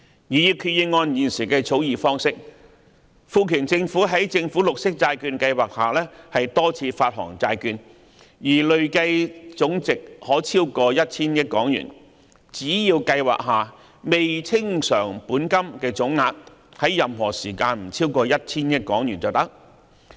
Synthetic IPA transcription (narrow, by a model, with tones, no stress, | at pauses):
jiː˨˩jiː˧wkʰy˧t̚ji˧ŋɔː˧njiː˨nsiː˨˩kɛː˧t͡sʰo˨˥wjiː˨fɔː˥ŋsɪ˥k̚ | fuː˧kʰyː˨˩nt͡sɪ˧ŋfuː˨˥ɦɐ˨˥jt͡sɪ˧ŋfuː˨˥lʊ˨k̚sɪ˥k̚t͡saː˧jkyː˧nkɐ˧jwaː˨k̚haː˨˩lɛː˥hɐ˨jt̪ɔː˥t͡sʰiː˧faː˧t̚ɦɔ̰ː˨˩ŋt͡saː˧jkyː˧n | jiː˨˩lɵ˨ɥkɐ˧jt͡sʊ˨˥ŋt͡sɪ˨k̚hɔː˨˥t͡sʰiː˥wkɔː˧jɐ˥t̚t͡sʰiː˥njɪ˥t̚kɔː˨˥ŋjy̰ː˨˩n | t͡siː˨˥jiː˧wkɐ˧jwa̰ː˨k̚ɦaː˨ | me˨jt͡sʰɪ˥ŋsœː˨˩ŋpuː˨˥nkɐ˥mkɛː˧t͡sʊ˨˥ŋːaː˧t̚hɐ˨˥jːɐ˨mɦɔː˨˩siː˨˩kaː˧nm̩˨˩t͡sʰiː˥wkɔː˧jɐ˥t̚t͡sʰiː˥njɪ˥t̚kɔː˨˥ŋjy˨˩nt͡sɐ˨wt̪ɐ˥k̚